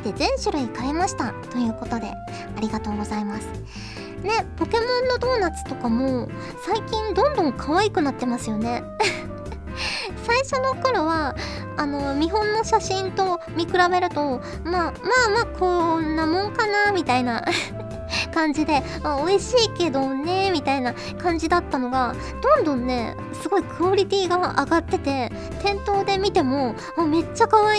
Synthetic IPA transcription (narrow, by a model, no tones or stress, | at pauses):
t̪ːe̞zẽ̞ɰ̃ɕɨɾɯikaɾe̞maɕi̥t̪at̪o̞jɯ̟ːko̞t̪od̪e̞̰ | aɾʲiɡat̪o̞ːɡo̞zaimasɨ̥ | ne̞po̞ke̞mõ̞nːo̞d̪o̞ːnat͡sɨ̥t̪o̞kamo̞ | saikʲĩnd̪õ̞nd̪õ̞ŋkʰaβaikɯ̟nat̪ːe̞masɨjo̞ne̞ | saiɕo̞no̞ko̞ɾo̞βaː | nomʲiɦõ̞nːo̞ɕaɕĩnt̪o̞mʲikɯ̟ɾabe̞ɾɯ̟t̪o̞ | maːmaːmaːkʰo̞nːamõ̞ŋkanamʲit̪aina | kãɲ̟d͡ʑid̪e̞ | aoiɕiːke̞d̪o̞ne̞mʲit̪aina | kãɲ̟d͡ʑid̪at̪ːano̞ɡa | d̪̥õ̞nd̪õ̞nːe̞̰ | sɨɡo̞ikɯ̟oɾʲit̪ʲiːɡaʔa̰ɡat̪ːe̞t̪e̞ | t̪ẽ̞nt̪o̞ːd̪e̞mʲit̪e̞mo̞ | ame̞t͡ɕːakaβai